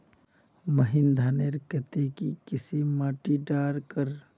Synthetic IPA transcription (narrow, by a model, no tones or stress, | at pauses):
məɦind̪ʱaːneɾkət̪ekikɪsimaːʈiɖaːɾkəɾ